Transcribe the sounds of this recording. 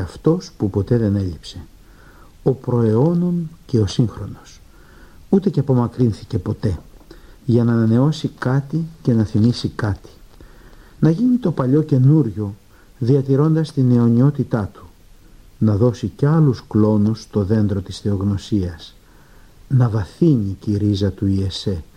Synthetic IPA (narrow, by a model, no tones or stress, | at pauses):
ɐft̪o̞spupo̞t̪e̞ðe̞ne̞ʎipse | o̞pɾo̞eo̞no̞nce̞o̞siŋxɾo̞no̞s | ut̪e̞ceɐpo̞mɐkɾinθice̞po̞t̪e̞ | ʝɐnɐːnɐne̞o̞sikɐt̪ice̞nɐθimisikɐt̪i̥ | nɐʝinit̪o̞pɐʎo̞ce̞nuɾʝo̞ | ðiɐt̪iɾo̞nd̪ɐst̪ine̞o̞ɲio̞t̪it̪ɐt̪u̥ | nɐðo̞siceɐlusklo̞nust̪o̞ðe̞nd̪ɾo̞t̪i̥sθe̞o̞ɣno̞siɐs | nɐvɐθiɲiciɾizɐt̪uie̞se̞